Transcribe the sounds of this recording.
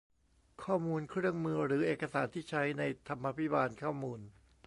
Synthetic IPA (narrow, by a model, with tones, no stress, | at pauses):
kʰɔː˥˩muː˧nkʰɾɯ˥˩əŋmɯ˧ɾɯː˩˦ʔeː˨˩ka˧saː˩˦nt̪ʰiː˥˩t͡ɕʰa˦˥jna˧jt̪ʰa˧mːa˧pʰi˦˥baː˧nkʰɔː˥˩muː˧n